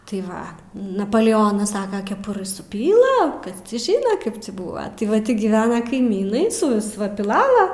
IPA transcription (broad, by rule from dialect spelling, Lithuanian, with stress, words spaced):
tɐɪ ˈʋɐ nɐpoːlʲɛˈoːnɐs ˈsɑːkɐ kʲɛˈpʊrɨ sʊˈpʲiːlˠɐ ˈkɐs ˈt͡sʲiː ˈʒʲiːnɐ ˈkɐɪp t͡sʲiː ˈbuːʋɐ tʲɪ ˈʋɐ ˈtʲɪ ɡʲɪˈʋʲæːnɐ kɐɪˈmʲiːnɐɪ sʊˈʋʲɪs pʲɪˈlˠɑːlˠɐ